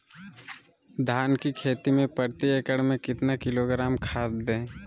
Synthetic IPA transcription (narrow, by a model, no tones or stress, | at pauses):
d̪ʱaːnkikʰeːt̪imẽpəɾt̪ieːkəɽmẽkɪt̪nakɪloːɡɾaːmkʰaːt̪d̪ẽː